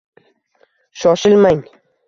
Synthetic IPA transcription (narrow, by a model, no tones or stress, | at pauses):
ʃɒʃɪlmaŋ